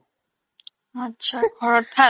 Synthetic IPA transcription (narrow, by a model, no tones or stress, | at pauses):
atːɕʰaɡʱɔɹɔɾt̪ʰa